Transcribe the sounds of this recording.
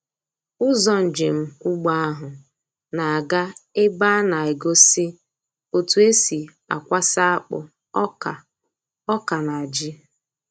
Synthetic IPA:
ʊ˦zɔ˨n̩˨d͡ʒɪ˨m̩˦ʊ˦ɡ͡ba˦a˦ɦʊ˨ | na˨a˨ɡa˦ɪ˦ɡ͡ba˦na˨ɪ˨ɡo˦sɪ˦ | o˨tu˨e˦si˨ | a̰˨kʷa˦sa˦a˦k͡pʊ̰˨ | ɔ˦ka˨ | ɔ˦ka˨na˨a˨d͡ʒɪ˦

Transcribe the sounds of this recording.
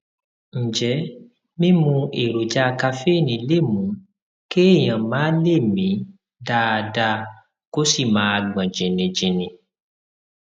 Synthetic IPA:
n̩˨d͡ʒɛ˨˦ | mĩ˦mũ˧e˨ɾo˨d͡ʒa˦˧ka˧fe˦˨nĩ˧˦le˦˨mũ˨˦ | ke˦e˦˨j̃ã˨mãː˨˦le˦˨mĩ˨˦ | da˧da˧ | ko˦si˦˨mãː˨˦a˧ɡ͡bã˨d͡ʒĩ˨nĩ˧d͡ʒĩ˧˨nĩ˧

